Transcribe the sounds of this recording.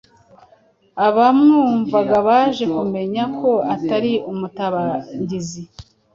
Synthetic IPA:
aβamuːɱvaɡaβaːʒe̞kume̞ɲakʰo̞ataɾiumutaβaɲɟizi

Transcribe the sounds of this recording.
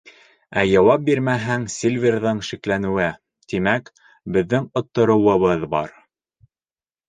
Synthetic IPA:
æjɑwɑp̚biɾmæɦæŋsʲilʲvʲirðɤŋʃiklænɘ̆wɘ | t̪imæk | bɘ̆ðːɘŋŏt̪ːŏɾŏwɤ̆βɤðbɑ̰ɾ

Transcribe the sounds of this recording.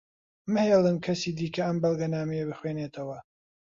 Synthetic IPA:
mɨhelˠɨmkʰɐsiːd̪iːkʰɐɐmbɐlˠɡɐnaːmɛjɐbɨxweːneːt̪ʰɐwɐ

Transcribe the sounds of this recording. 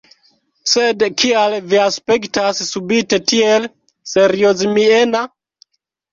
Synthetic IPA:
se̞dkʰialviaspe̞ktassubite̞tiel | se̞ɾiozmiena

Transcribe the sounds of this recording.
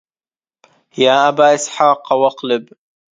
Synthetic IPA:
jaːʔabaːʔɪsħaːqwɑqlɪb

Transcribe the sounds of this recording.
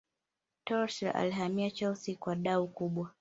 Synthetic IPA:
tɔlsɾa̰ʔa̰liɦamiat͡ʃalsikwaɗaukuɓwa

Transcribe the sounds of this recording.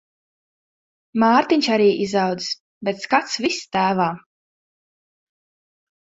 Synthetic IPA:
maːɾt̪iɲʲt͡ʃaɾiːʔizɑwd̪zs | bet̪skat̪svist̪æːvaː

